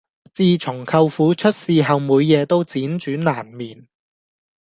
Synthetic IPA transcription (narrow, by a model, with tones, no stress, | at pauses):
t͡siː˧t͡ʃʰʊ˨˩ŋkʰɐ˧wfuː˨˥t͡ʃʰɵ˥t̚siː˨˧ɦɐ˨wmuː˨˧jːɛː˨˧t̪o˥wt͡siː˨˥nt͡ʃyː˨˥naː˨˩nmiː˨˩n